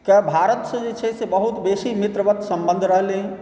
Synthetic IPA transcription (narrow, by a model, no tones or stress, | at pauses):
kabʱaɾət̪sə̃d͡ʒet͡ʃʰɛsebəɦut̪besimit̪ɾəʋət̪səmbə̃nd̪ʱɾəɦle